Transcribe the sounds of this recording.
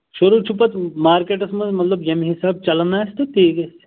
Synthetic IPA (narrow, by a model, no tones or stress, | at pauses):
ʃuɾut͡ʃʰupɐt̪maːɾkeːʈɐsmɐnzmɐt̪lɐbjɐmɦisaːb̚t͡ʃɐlnast̪ɐt̪ʰiːkɐs